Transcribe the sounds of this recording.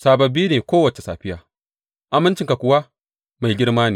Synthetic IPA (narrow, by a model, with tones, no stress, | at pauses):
saː˨bɐ˨biː˦neː˨kʷoː˦wɐ˨t͡ʃe˨sa̰ː˨ɸɪ˦jaː˨ | ʔa˨mɪ˦nt͡ʃɪ˨ŋka˨kʷʊ˨wa˦ | ma˨jɡʲɪ˦ɽmaː˦niː˨